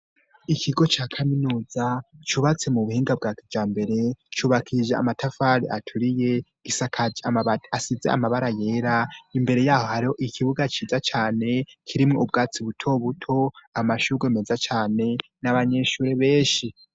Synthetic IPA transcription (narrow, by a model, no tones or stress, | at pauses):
ikʰiɡo̞t͡ʃaːkʰaminuːzat͡ʃuβat͡se̞muβuhiːŋɡab̚ɡaːkivd͡ʒaːmbe̞ɾe̞t͡ʃuβakʰiɾiʒea̰matʰafaɾia̰tʰuɾije̞ɡisakʰaaasizea̰maβaɾaje̞ːɾaimbe̞ɾe̞jaːho̞haɾiho̞ʔikʰiβuɡat͡ʃiːzat͡ʃaːne̞kʰiɾimŋoubɡaːt͡siβutʰo̞βutʰo̞amaʃuɡwemezat͡ʃaːne̞naβaɲe̞ʃuːɾe̞βe̞ːʃi